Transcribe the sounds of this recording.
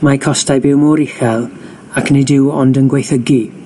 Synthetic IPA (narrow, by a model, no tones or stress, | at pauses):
makʰɔstajbɪwmɔɾɪxɛlˠ | akʰnɪdɪwɔndənɡwejθəɡi